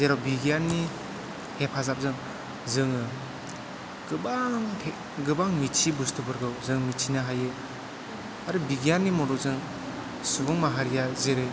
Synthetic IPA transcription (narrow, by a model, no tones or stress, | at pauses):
zeɾawbiɡijanni | hepʰazap̚zɯŋ | zɯŋɯ | ɡ̥ɯbaŋhe | ɡɯbaŋmit͡ʃʰibustɯbɯɾɡɯwzɯŋmit͡ʃʰinaɦajɯ | aɾɯbiɡijanːimɔdukzɯŋ | subuŋmaɦaɾijazeɾe